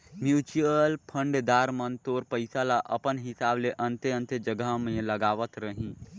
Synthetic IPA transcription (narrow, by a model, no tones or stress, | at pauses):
mjuːt͡ʃuəlpʰə̃ɳɖd̪aːɾmənt̪oːɾpəɪsalaʔəpənɦɪsaːbleʔə̃nt̪eə̃nt̪ed͡ʒəɡəɦmẽləɡaːʋət̪ɾəɦĩ